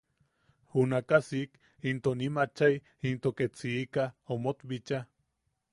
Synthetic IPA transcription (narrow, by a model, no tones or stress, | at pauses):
hunakasik | int̪onimat͡ʃaj | int̪oket͡siːkaomot̪bit͡ʃa